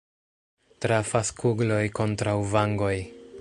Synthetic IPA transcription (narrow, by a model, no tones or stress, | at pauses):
tɾafaskʰuɡlo̞jko̞ntɾawvaŋɡo̞j